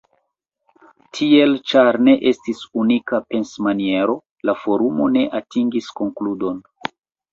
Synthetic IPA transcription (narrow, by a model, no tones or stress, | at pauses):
tʰie̞lt͡ʃaɾne̞ʔe̞stisunikape̞nsmanie̞ɾo̞ | lafo̞ɾumo̞ne̞ʔatiŋɡisko̞ŋkludo̞n